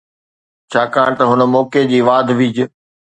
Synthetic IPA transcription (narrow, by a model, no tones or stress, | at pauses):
t͡ɕʰaːkaːɽ̃t̪ɐɦʊnə̆mɔːked͡ʑiːʋaːd̪ʱʋid͡ʑ